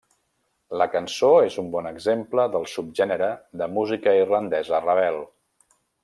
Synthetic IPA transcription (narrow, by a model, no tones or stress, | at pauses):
ləkənsoezumbɔnəɡzempləðəlˠsup̚ʒɛnəɾəðəmuzikəirlənd̪ɛzərəβ̞ɛlˠ